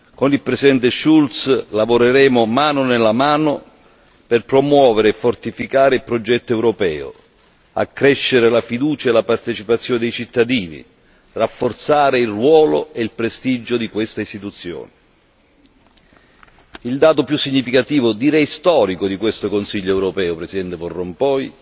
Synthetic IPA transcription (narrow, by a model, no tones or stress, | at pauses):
konilpɾesid̪ɛnt̪eʃult̪slavoɾeɾɛːmʊmaːnʊnelamaːnʊ | perpɾomwɔːveɾeɛfːort̪ifikaːɾeilpɾod͡ʒɛt̪ːoɛwɾɔpɛ̰ːʊ̰ | a̰kːɾɛʃːeɾelafid̪uːt͡ʃaelapart̪et͡ʃipat̪sːjɔːned̪ejt͡ʃit̪ːad̪iːnḭ | rafːort̪saːɾɪilrwɔːlo̰eilpɾest̪id͡ʒːʊd̪ikwest̪aist̪it̪ut̪sːjo̰ːnɪ | ild̪aːt̪opjusːiɲːifikat̪iːvʊd̪iɾɛjst̪ɔːɾikʊd̪ikwest̪okonsiʎːoɛwɾopɛːʊpɾɛsid̪ɛnt̪eforːɔmpɔːj